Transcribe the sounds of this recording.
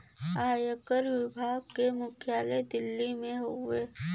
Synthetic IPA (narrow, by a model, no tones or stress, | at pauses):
aːjəkəɾʋɪbʱaːɡ̚kemʊkʰjaːled̪ɪlːimẽɦoʋeː